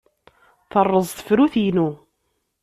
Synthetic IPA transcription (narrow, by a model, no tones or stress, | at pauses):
θərˤːəzˤθə̥fɾuθijnu